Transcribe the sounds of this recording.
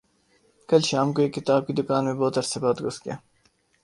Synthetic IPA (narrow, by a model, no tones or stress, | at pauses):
kɐlʃaːmkoekːɪt̪aːb̚kid̪ʊkaːnmẽboːt̪ɐɾsebaːt̪ɡoskijaː